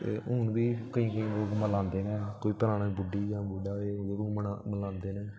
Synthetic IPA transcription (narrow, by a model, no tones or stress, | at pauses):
ḛːɦʊɳbiːkəĩːkəĩːloːkməlãːnd̪eːnɛːkoːiːpəɾaːnaːbʊɖiːd͡ʒãːbʊɖaːeːd͡ʒeːkʊməaməlãːnd̪eːnɛː